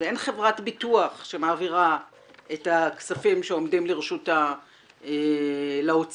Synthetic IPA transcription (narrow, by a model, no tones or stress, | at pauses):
e̞nχe̞vʁatbituaχʃe̞maːviʁa | ʔe̞taksafimʃeo̞mdimleʁeʃuta | elaot͡s